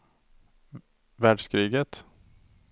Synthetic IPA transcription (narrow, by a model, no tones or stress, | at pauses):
væːɖʂkɾiːɡət̪